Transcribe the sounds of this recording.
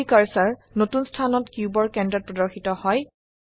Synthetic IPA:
ikaɹsaɹnotunstʰanɔtkjubɔɹkɛndɹɔt̚pɹɔdɔɹxitɔhɔj

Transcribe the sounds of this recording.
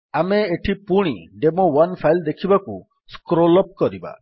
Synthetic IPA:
ameeʈʰipuɽ̃iɖemowanpʰajld̪ekʰibaku | skɾolɔp̚kɔɾiba̰

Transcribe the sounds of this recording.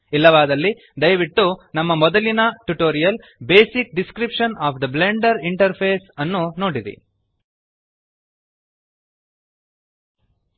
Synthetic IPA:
ilːɐʋaːd̪ɐlːi | d̪ɐjʋiʈːunɐmːɐmɔd̪ɐlinɐʈuʈoːɾijɐl | be̞ːsik̚ɖiskɾipʂɐnaːpʰd̪ɐbleɳɖɐɾiɳʈɐɾpʰeːsɐnːuno̞ːɽid̪ḭ

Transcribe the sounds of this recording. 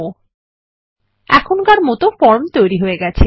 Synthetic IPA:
o | ɛ̰kʰonkaɾmɔt̪ofɔɾmt̪ojɾiɦoeɡɛt͡ɕʰe

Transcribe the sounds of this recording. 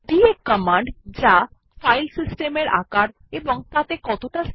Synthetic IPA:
d̪iekəmaɳɖd͡ʑa | fajlsisʈemeɾa̰kaɾ | eboŋt̪at̪ekɔt̪oʈa

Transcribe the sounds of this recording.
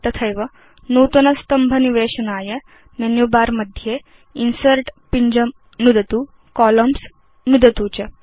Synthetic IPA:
t̪ɐt̪ʰəjʋə | nuːt̪ɐnɐst̪ɐmbʱɐniʋeːɕənaːjɐ | menjubaːɾməd̪ʱje | insəɾʈpiɲd͡ʑəm | nud̪ɐt̪uː | kɔləms | nud̪ɐt̪uːt͡ɕɐ

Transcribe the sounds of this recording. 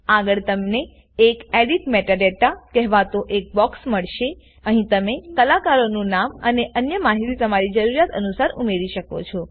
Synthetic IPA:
aɡəɭt̪əmneː | keɖiʈmeʈaɖeʈakɛɦʋat̪oʔek̚bɔksməɭʃe | əɦĩt̪əmekəlakaɾonũnaməneʔənjəmaɦiɾit̪əmaɾid͡ʒəɾuɾjat̪ə̰nusaɾumeɾiʃəko̰t͡ʃʰo

